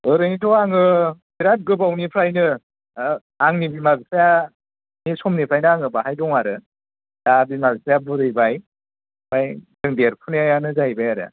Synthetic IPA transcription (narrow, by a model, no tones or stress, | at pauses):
ɯɾɯnitʰɔaŋɯpʰiɾat̚ɡɯbawnipʰɾajnɯ | aŋnibimazsaja | nisɔmnipʰajnɯaŋɯbaɦajdɔŋaɾɯ | dabimazsajabɯɾɯjbaj | majdɯŋdeɾpʰuneajanɯzajbajaɾa̰